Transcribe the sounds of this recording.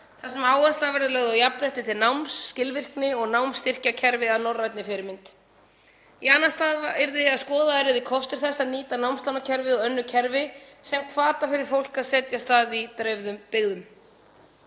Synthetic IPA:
θḁsɛmaːwvast̪lavɛɾðʏlœɣðʏawjapɾɛht̪ɪt̪ʰɪlnawmscɪlvɪr̥knɪɔɣnawmst̪ɪr̥cacʰɛɾvɪaðnɔrːajt̪nɪfɪɾɪɾmɪnt̪ | ianːast̪aðvaɛɾðɪaðskɔːðaɛɾɪðɪkʰɔfst̪ɪɾ̥θɛsːaðniːt̪anawmst̪awnacʰɛɾvɪɔœnːʏcʰɛɾvɪsɛmkʰvaːt̪afɪɾɪɾ̥fowl̥kaðsɛːt̪jast̪aːðit̪ɾœːɥvðʏmpɪɣðʏm

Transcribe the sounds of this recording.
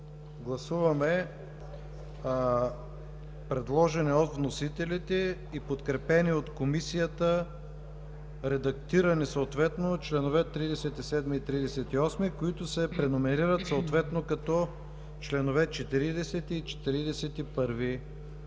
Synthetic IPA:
ɡlˠɐsuvɐmɛ | pɾɛd̪lˠɔʒɛnɛot̪vnosit̪ɛlit̪ɛ | ipot̪kɾɛpɛniot̪komisijət̪ə | ɾɛd̪ɐkt̪iɾɐnisooːt̪vɛt̪not͡ʃlɛnovɛt̪ɾid̪ɛsɛt̪isɛd̪miːt̪ɾid̪ɛsɛt̪iɔsmikoit̪ʊsɛpɾɛnomɛɾiɾət̪soot̪vɛt̪nokɐt̪ɔ | t͡ʃlɛnovɛt͡ʃɛt̪iɾid̪ɛsɛt̪iːt͡ʃɛ̥t̪iɾid̪ɛsɛt̪ipɤɾvi

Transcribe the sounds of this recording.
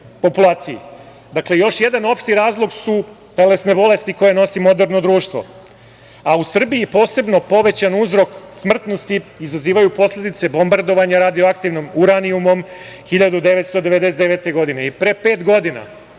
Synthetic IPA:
po̞pulˠaːt̪sijḭ | d̪akle̞jo̞ʃje̞d̪ano̞pʂt̪iɾaːzlˠo̞ɡsu | t̪e̞le̞sne̞bo̞le̞st̪iko̞jeno̞simo̞d̪eɾno̞d̪ɾuːʃt̪vʋo̰ | ausr̩biipo̞ːse̞bno̞po̞ʋe̞t͡ɕanuzɾo̞ksmr̩t̪no̞st̪iːzaziːʋajupo̞slʎʲe̞d̪it̪se̞bo̞mbaɾd̪o̞ʋaɲaɾad̪ioakt̪iʋnomuɾaniumo̞mxiʎad̪ud̪e̞ʋe̞t̪st̪o̞d̪e̞ʋe̞d̪eset̪eʋet̪e̞ɡo̞d̪ineipɾe̞pe̞ːt̪ɡo̞d̪ina̰

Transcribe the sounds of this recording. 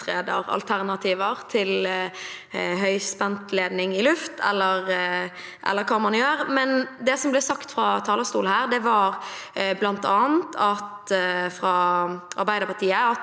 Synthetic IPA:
ɾeːd̪əɾɑ̰lt̪ʰæʁnɑt̪ʰiːʋəʁt̪ʰɪl | ɦœʏspɛnt̪leːd̪nɪŋɪlʉft̪ʰɛ̰lːəɾ | ʔɛ̰lːəɾkʰɑːmɑnjøːɾmɛnd̪ɛsɔmblɛsɑkt̪fɾɑt̪ʰɑːləst̪uːlhæːɾd̪ɛʋɑɾblɑnt̪ɑːnt̪ʰɑt̪fɾɑɑ̰ɾbæɪd̪əɾpɑʁt̪ʰiːəɑ

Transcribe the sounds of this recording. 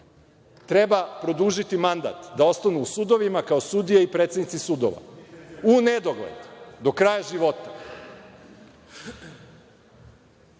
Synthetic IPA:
t̪ɾe̞bapɾo̞d̪uʒit̪imand̪a̰t̪d̪ao̞st̪anuːsud̪o̞ʋimakaosud̪ijeipɾet̪sed̪nit̪sisud̪o̰ʋa̰uned̪o̞ɡlḛd̪d̪o̞kɾajaʒiʋo̞t̪a

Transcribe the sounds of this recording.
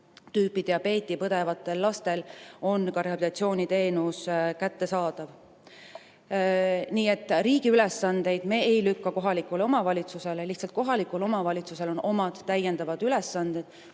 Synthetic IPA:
t̪yːpːid̪̥ejɑpe̞ːt̪ːˑipɤd̪̥e̞vɑt̪ˑːe̞lːɑst̪e̞lo̞nkɑɾehɑbit̪ɑt̪sio̞ːnit̪e̞ːnuskæt̪ːe̞sɑːd̪̥ɑv | niːe̞t̪ːˑriːɡ̥iylesːɑnd̪̥e̞jd̪̥me̞ejlykːɑko̞ɦɑlikːˑule̞o̞mɑvɑlʲit̪suse̞leliht̪sɑlt̪̚ko̞ɦɑlikːˑulo̞mɑvɑlʲit̪suse̞lo̞no̞mɑd̪̥ːæjːe̞nd̪ɑvɑd̪̥yle̞sːɑnd̪̥ed̪̥

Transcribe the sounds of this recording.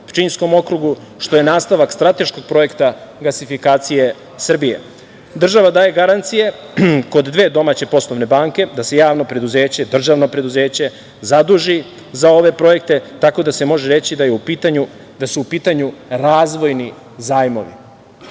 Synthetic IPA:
pt͡ʃinsko̞mo̞kɾuɡu | ʃt̪o̞jenaːst̪aʋakst̪ɾat̪e̞ʃko̞ɡ̚pɾo̞je̞kt̪aɡlasifikaːt̪sije̞ | sr̩bije̞̰ | d̪r̩ʒaʋad̪aːje̞ɡaɾant̪sije̞ | ko̞d̪ːʋe̞ːd̪o̞maːt͡ɕe̞po̞slˠoʋne̞baːŋke̞d̪ase̞jaːʋno̞pɾe̞d̪uze̞ːt͡ɕe̞d̪r̩ʒaʋno̞pɾe̞d̪uze̞ːt͡ɕe̞ | zad̪uʒi | zao̞ʋe̞pɾo̞je̞k̚t̪e̞t̪ako̞d̪ase̞mo̞ʒeɾe̞t͡ɕid̪ajeupit̪aɲu | d̪asuːpiːt̪aɲuɾaːzʋo̞jni | zaːjmo̞̰ʋḭ

